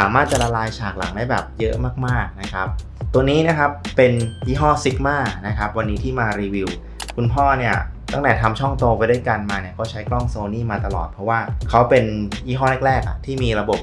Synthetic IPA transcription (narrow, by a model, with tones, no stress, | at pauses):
saː˩˦maː˥˩t̪̚t͡ɕa̰˨˩la˧laː˧jt͡ɕʰaː˨˩k̚la̰˩˦ŋda˦˥jbɛː˨˩p̚jɤ˦˥ʔmaː˥˩k̚maː˥˩k̚na˦˥kʰa˦˥p̚ | t̪u˧niː˦˥na˦˥˩kʰa˦˥pːe˧nwiː˦˥˩ɦɔː˥˩si˦˥k̚maː˥˩k̚na˦˥kʰa˦˥p̚wa˧nːiː˦˥t̪ʰiː˥˩maː˧ɾiː˧wi˧w | kʰu˧npʰɔː˥˩ni˥˩ɐt̪a˥˩ŋt̪ɛː˨˩t̪ʰa˧mt͡ɕʰɔ˥˩ŋt̪oː˧pa˧jdu˥˩əjka˧nmaː˧ni˥˩ɐkɔː˥˩t͡ɕʰa˦˥jklɔ˥˩ŋsoː˧niː˥˩maː˧t̪a˧lɔ̰ː˨˩t̪̚pʰɾɔ˦˥waː˥˩kʰa˦˥wpe˧nwiː˥˩ɦɔː˥˩nɛ˦˥˩k̚ɾɛː˥˩k̚a̰˨˩t̪ʰiː˥˩miː˧ɾa˧bo˨˩p̚